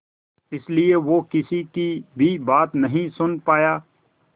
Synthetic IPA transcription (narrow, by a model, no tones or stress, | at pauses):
ɪslieʋoːkɪsikibʱibaːt̪nɐɦĩsʊnpaːjaː